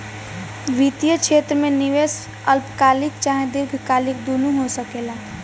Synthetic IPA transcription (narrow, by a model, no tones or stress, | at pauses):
ʋit̪ijəkʃeːt̪ɾəmẽnɪʋeːs | əlpkaːlɪkt͡ʃaːɦẽd̪ɪɾɡʱkaːlɪk̚d̪uːnuɦosəkeːlaː